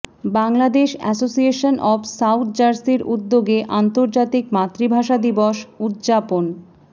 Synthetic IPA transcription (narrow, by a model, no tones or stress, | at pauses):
baŋlad̪eʃɛ̰sosieʃonʔɔbsawt̪̚ʰd͡ʑaɾsiɾud̪ːoɡeʔant̪oɾd͡ʑat̪ikmat̪ːɾibʱaʃad̪iboʃud̪d͡ʑapon